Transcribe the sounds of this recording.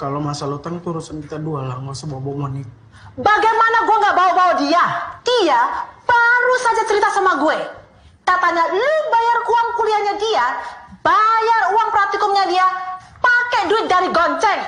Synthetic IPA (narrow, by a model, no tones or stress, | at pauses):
kalomasalut̪aŋt̪uɾusankit̪adualaŋɡɔsəbɔbɔʔmənɪt̪̚ | baɡajmanaɡuɛŋɡaʔbawabawadiad̥iab̥aɾusad͡ʒat͡ʃəɾit̪asamaɡuɛ | kat̪aɲalubajarkuaŋkuliaɲadiabajaruwaŋpərat̪ikʊmɲadiapakɛduɪt̪̚daɾiɡɔɲt͡ʃɛŋ